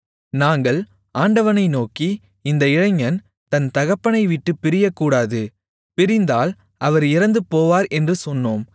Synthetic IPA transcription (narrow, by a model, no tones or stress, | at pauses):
naːŋɡɐɭ | aːɳɖɐʋɐnɐɪnoːki | ɪnd̪ɐɪɻɐŋːɐn | t̪ɐnt̪ɐɣɐpːɐnɐɪʋɪʈːɯpːɪɾɪjɐkːuːɽaːðɯ | pɪɾɪnd̪aːl | ʔɐʋɐɾɪɾɐnd̪ɯpoːʋaːɾɛndrɯsɔnːoːm